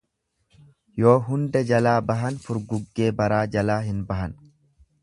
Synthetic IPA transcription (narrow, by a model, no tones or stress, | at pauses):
jo̞ːɦʊnd̪ɛd͡ʒɐlaːbɐɦɐnfʊɾɡʊɡːe̞ːbɐɾaːd͡ʒɐlaːɦɪnbɐɦɐn